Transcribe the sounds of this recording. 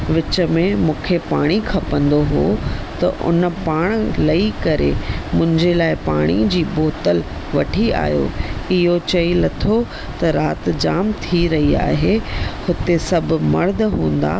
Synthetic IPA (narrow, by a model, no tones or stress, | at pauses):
ʋɪt͡ɕə̆mẽmũːkʰepaːɽ̃ikʰɐpə̃nd̪oɦo̰t̪ɐ̰ʔʊ̰n̆paːɽ̃lɐikɐɾḛmʊ̃ɦɪ̃ɲd͡ʑelaːɪpa̰ːɽ̃ḭd͡ʑiːboːt̪əl | ʋɐʈʰia̰ːɦjo̰ɪɦot͡ɕɐinɐt̪ʰo | t̪ɐɾaːt̪d͡ʑaːmt̪ʰiɾɐɦia̰ːɦehʊt̪esɐbʱmɐ̰ɾd̪ʱɦũːn̆d̪a̰ː